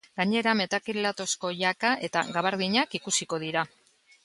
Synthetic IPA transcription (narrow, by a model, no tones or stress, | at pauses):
ɡaɲe̞ɾame̞t̪akilat̪o̞sko̞ʝakaʔe̞t̪a̰ɣaβaɾðiɲakikusiko̞ð̞iɾa